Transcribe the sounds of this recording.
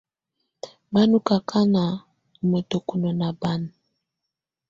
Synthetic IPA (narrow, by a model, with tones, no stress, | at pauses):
ba˦nu˦ka˨kʰa˦na˨ | mo˨to˨ku˨no˨na˨ba˦n˨